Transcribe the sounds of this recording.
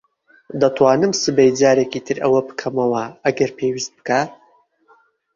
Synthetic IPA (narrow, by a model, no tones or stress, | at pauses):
d̪ɐt̪ʰwaːnɨmsɨbɛjd͡zaːɾekiːt̪ʰɨɾɐwɐbɨ̥kʰɐmɐwɐɐɡɐɾpʰeːwist̪̚bɨ̥kʰaː